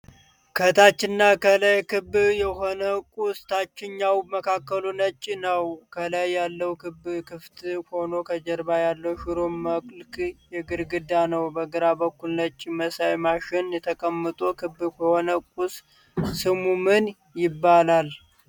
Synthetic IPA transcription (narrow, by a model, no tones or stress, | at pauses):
kʰət̪ʰat͡ʃːɪnːakəlajkɨbjɛɦo̞nəkʼust̪ʰat͡ʃːɪɲːawməkʰakːəlunət͡ʃʼːinəwkʰəlajːalːəwkʰɨbkʰɨft̪ho̞no̞kʰəd͡ʒəɾbajalːəwʃɪɾoməkʼlkjɛɡɨɾɡɨd̪anəwbəɡɨɾabəkːulnət͡ʃʼːiməsajmaʃɪnjɛt̪ʰəkʼəmːət̪ʼokʰɨbɨkʰəho̞nəkʼus | sɨmumɨn | jɪbːalal